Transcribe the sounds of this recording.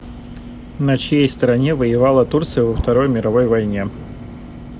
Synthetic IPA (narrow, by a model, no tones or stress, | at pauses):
nɐt͡ɕjejst̪əɾɐnʲevəjɪvalˠət̪urt̪sɨjʊvəft̪ɐɾo̞jmʲɪɾɐvo̞jvɐjnʲe